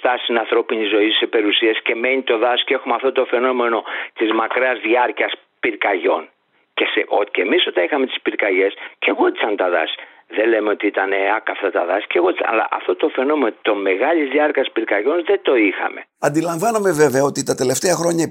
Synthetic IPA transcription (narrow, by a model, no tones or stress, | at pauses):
t̪ɐsinɐnθɾo̞pinizo̞isepe̞ɾusiɐsce̞me̞nit̪o̞ðɐsceexumɐft̪ot̪o̞fe̞no̞me̞no̞t̪izmɐkɾɐɐzðiɐɾciɐs | piɾkɐʝo̞n | ceseʔoce̞miso̞t̪ɐixɐme̞t̪i̥spiɾkɐʝe̞sce̞ɣo̞t̪it͡sɐnt̪ɐðɐ̰s | ðelemeo̞t̪iit̪ɐneɐkɐft̪ɐt̪ɐðɐsceɣo̞t̪isɐ̰ɐ̰lɐ̰ʔɐ̰ft̪o̞t̪o̞fe̞no̞me̞not̪o̞me̞ɣɐʎizðiɐɾcɐspiɾkɐʝo̞nðe̞t̪o̞ixɐ̰me̞̰ɐnd̪ilɐɱvɐnɐme̞ve̞veɐo̞t̪it̪ɐt̪e̞le̞ft̪e̞ɐxɾo̞ɲɐ